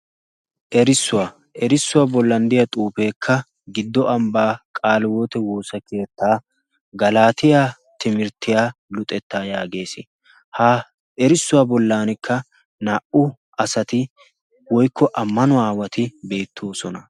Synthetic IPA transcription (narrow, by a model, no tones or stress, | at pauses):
ʔɛɾɪsːʊwaː | ʔɛɾɪsːʊwaːbɔlːɐnd̪ɪjɐt̪ʼuːpe̞ːkʰːɐ | ɡɪd̪ːɔɐmbaːkʼaːlwo̞ːt̪ɛwo̞ːsɐkʰe̞ːt̪ːaː | ɡɐlaːt̪ɪjaː | t̪ɪmɪɾt̪ɪjaːlʊt̪ʼɛt̪ːaːjaːɡe̞ːsɪ | haː | ɛɾɪsːʊwaːbɔlːaːnɪkʰːɐ | naːʔʊ | ʔɐsɐt̪ɪ | wɔjkʰːɔʔɐmːɐnʊaːwɐt̪ɪbe̞ːt̪ʰːo̞ːsɔnɐ